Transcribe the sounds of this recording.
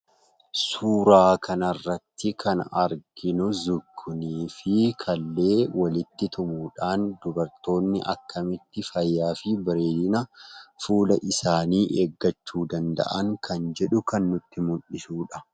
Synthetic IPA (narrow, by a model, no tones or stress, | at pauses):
suːɾaːkʰɐnɐrːɐt̪ːɪkʰɐnɐ̰ɾɡ̥ɪnʊzʊɡːʊniːfɪkʰɐlːe̞ːwɐlɪt̪ːɪt̪ʰʊmuːᶑaːnd̪ʊbɐɾt̪o̞ːnːɪ̰ʔɐ̰kːɐmɪt̪ːɪfɐjːaːfɪbɪɾe̞ːd̪ɪnɐfuːlɐʔɪsaːniːʔeːɡːɐt͡ʃːuːd̪ɐnd̪ɐ̰ʔɐŋkʰɐnd͡ʒɛᶑʊkɐnːʊt̪ːɪmʊᶑɪsuːᶑɐ